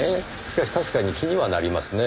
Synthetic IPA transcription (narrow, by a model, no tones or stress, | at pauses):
e | ɕi̥kaɕi̥t̪aɕi̥kaɲ̟ikʲiɲ̟iβana̰ɾʲimasɨne